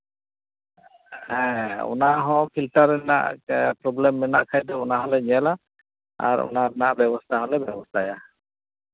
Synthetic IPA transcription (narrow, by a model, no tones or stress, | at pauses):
ɛ̃ɔ̰naɦɔ̃kʰilʈaɾɛna̰ʔpɾɔblɛmːɛnaʔkʰajd̪ɔɔnaɦɔlɛɲɛla | a̰ɾɔ̰naɛnaʔbɛbɔst̪ʰaɦɔlɛbɛbɔst̪ʰaja